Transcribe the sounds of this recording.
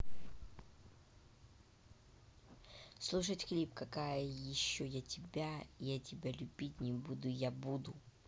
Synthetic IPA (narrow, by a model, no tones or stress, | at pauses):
slˠuʂətʲxlʲipkɐkajəjɪɕːojatʲɪbʲajatʲɪbʲalʲʉbʲitʲnʲɪbud̪ʊjabud̪ʊ